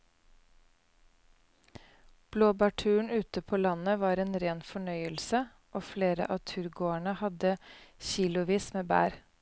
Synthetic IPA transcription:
b̥loːbɑʈʰʉːɳ̩ʉːt̪əpʰoːlɑnəʋɑːɾeːnɾeːnfɔɳœʏəlsə | ʔoːfleːɾə̰ʔɑːt̪ʰʉɾɡoːæɳəhɑd̪əçiːlʊʋiːsmeːbæ̰ːɾ

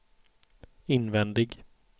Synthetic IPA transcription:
ɪnvɛnd̪ɪɡ

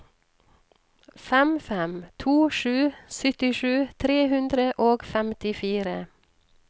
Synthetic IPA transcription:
fɛmfɛmt̪ʰuːʃʉːsʏt̪ɪʃʉːt̪ʰɾeːhʉnd̪ɾəʔoːɡfɛmt̪ɪfiːɾə

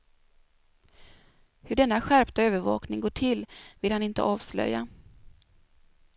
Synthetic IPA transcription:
hɵɖɛnːaɧæɾpt̪aøːvəɾvɑ̰ːknɪŋɡoːʈʰɪlvɪlhanɪnt̪ə̰ʔɑːvslœ̰jːa

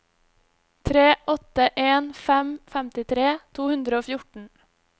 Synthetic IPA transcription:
t̪ʰɾeːʔɔt̪əʔeːnfɛmfæmt̪ɪt̪ʰɾeːt̪ʰuːhʉnd̪ɾəoːfjʊʈɳ̩

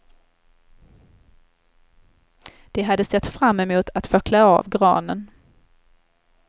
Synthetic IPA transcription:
d̪̥ɛɦad̪ːəsɛt̪ːfɾamːɛmuːt̪ʰat̪fœklaɑ̰ːvɡɾɑ̰ːnən

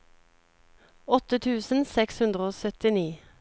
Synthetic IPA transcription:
ɔt̪ət̪ʰʉːsn̩sɛkshʉnd̪ʁəoːsœt̪ɪniː

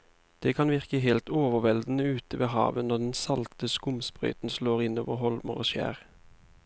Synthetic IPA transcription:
d̪̥eːkʰɑnʋɪʁkəɦelt̪oːʋəʁʋɛld̪n̩əʉːt̪əʋeːɦɑ̰ːʋənɔd̪ɛnsɑlt̪əskʊmspʁœ̰ʏt̪n̩sloːʁɪnoːʋəʁhɔlməʁo̰ːʃjæ̰ːʁ

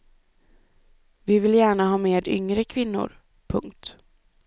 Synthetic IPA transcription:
vɪvɪljæːɳaɦɑːmeːd̪ʏ̰ŋɾəkʰvɪnːʊ̰ɾ | pʰɵ̰ŋk̚t̪

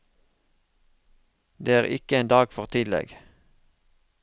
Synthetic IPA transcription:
d̪eːæːʁɪ̰kəeːnd̪ɑːɡfɔʁt̪ʰɪd̪lɛ̰ɡ

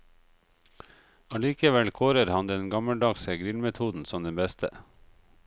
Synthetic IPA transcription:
ɑliːkəʋɛlkʰoːɾəɾhɑnd̪əeːnɡɑməld̪ɑːɡsəɡɾɪlmɛt̪ʰuːd̪n̩sɔmd̪ɛnbɛst̪ʰə̰

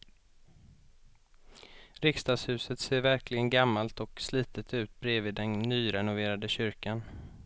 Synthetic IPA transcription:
ɾɪkst̪ɑːd̪shʉ̟ːsət̪seːɾvæɾklɪɡənɡamːalt̪ɔksliːt̪ət̪ʰʉ̟ːt̪̚bɾeːviːd̪ːɛnːyːɾɛnʊveːɾad̪əɕʏɾkan

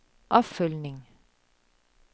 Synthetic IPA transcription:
ʔɑːfʏlnɪŋ

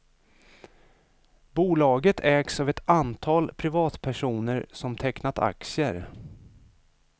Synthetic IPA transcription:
buːlɑːɡət̪ʰɛːksavɛt̪ant̪ʰɑːlpʰɾɪvɑːt̪pʰæʂuːnəɾsɔmt̪ʰɛknat̪ʰa̰ksjəɾ

